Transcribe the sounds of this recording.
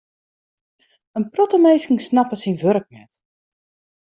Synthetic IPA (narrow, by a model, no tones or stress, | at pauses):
ənprɔtəmejsɪŋsnapəsinʋørk̚nɛ̰t